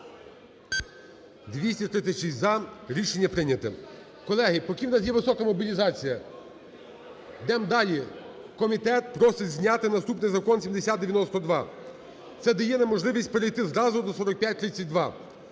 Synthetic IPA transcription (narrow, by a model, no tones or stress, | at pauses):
d̪ʋʲisʲtʲit̪ɾɪt̪sʲɐʃizʲzɐɾʲiʃenʲːɐpɾɪnʲɐt̪ɪ | kɔlˠɛɦɪpɔkʲiwnɑs̬jɛʋɪsɔkɐmɔbʲilʲizɑt͡sʲijɐ | d̪ɛmd̪ɑlʲi | kɔmʲit̪ɛt̪̚pɾɔsɪzʲnʲat̪ɪnɐst̪upnɪjzɐkɔnsʲimd̪esʲat̪d̪d̪eʋjɐnɔst̪ɔd̪ʋɑ | t̪sɛd̪ɛjɛnɛmɔʒlˠɪʋʲisʲtʲpeɾejt̪ɪzɾɑzʊd̪ɔsɔɾɔk̚pʲjatʲt̪ɾɪt̪ʲt͡sʲːɐtʲd̪ʋɑ